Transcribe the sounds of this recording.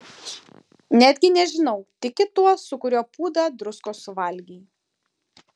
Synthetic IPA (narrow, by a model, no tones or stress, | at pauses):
nʲæːd̪ʲɡʲɪnʲɛʒʲɪnɐʊt̪ʲɪkʲɪt̪uɔsʊkʊɾʲoːpuːd̪ɑd̪ɾʊskoːsʊʋɐlʲɡʲiː